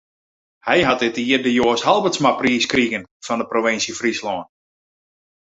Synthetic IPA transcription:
hɛjɦatɪtiərdəjoːəshalˠbətsmapriːskriɣənfɑndəproʋɪnsjəfrislɔːn

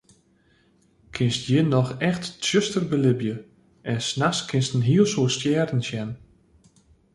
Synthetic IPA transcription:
kʰɪnstjɪnɔxɛxtsjøstərbəlɪbjə | ʔɛnsnaxskʰɪnstn̩ɦiəlˠsuəstjɛːrdn̩sjɛn

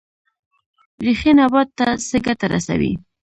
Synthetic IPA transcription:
ɾixinabɑd̪̚t̪ːasəɡat̪aɾa̰sa̰wḭ

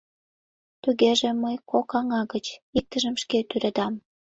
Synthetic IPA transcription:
t̪uɣeʒĕməjkokɑŋɑɣət͡ɕik̚t̪əʒəmʃket̪yɾed̪ɑm

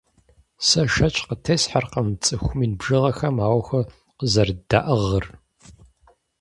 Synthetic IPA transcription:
sɐʃɐt͡ʃʼqətʰeːsħarqəmt͡sʼɨxʷʊmiːnbʒɨʁɐxɐmaːwxʷɐ | qəzɐrd̥a̰ːʔɐʁər

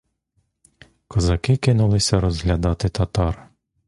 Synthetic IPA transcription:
kɔzɐkɪkɪnʊlˠɪsʲɐɾɔzɦlʲɐd̪ɑt̪ɪt̪ɐt̪ɑr

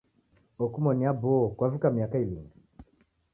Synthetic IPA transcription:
ɔkumɔniabɔkwavikamiakailiŋi

